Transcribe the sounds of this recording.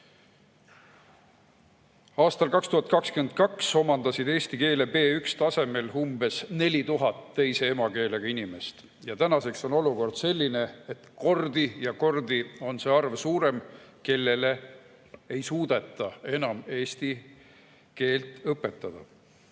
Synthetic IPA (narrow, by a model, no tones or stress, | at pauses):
ɑːst̪ɑlkɑkst̪uhɑt̪̚ˑkɑkskyend̪̥̚kɑkso̞mɑnd̪ɑsid̪e̞ːst̪ike̞ːle̞pe̞ːykst̪ɑse̞me̞lumbe̞sne̞lʲit̪uɦɑt̪ːe̞jse̞e̞mɑke̞ːle̞ɡ̥ɑinime̞st̪ | jɑt̪ænɑse̞kso̞no̞luko̞rd̪̥se̞lʲːine̞et̪ko̞rd̪̥ijɑko̞rd̪̥io̞nse̞ːɑrvsuːɾe̞mke̞lːe̞le̞ | ejsuːd̪̥e̞t̪ˑːɑe̞nɑme̞ːst̪i | ke̞ːlt̪ˑɤpːe̞t̪ˑːɑd̪̥ɑ